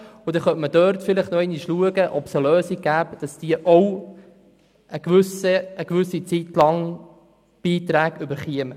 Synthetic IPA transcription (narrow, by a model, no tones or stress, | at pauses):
ʊd̥̪ɛχœtməd̥œːɾtfɪlɪχtnoɛniʃluəɡəʔɔpsəløːsiɡ̥æːpd̥ɑsd̥iəʔɔw | əɡʋʏsəːɡʋʏsit͡sit̪lɑŋ | b̥iːt̪ɾæːɡʏbəɾχiəmə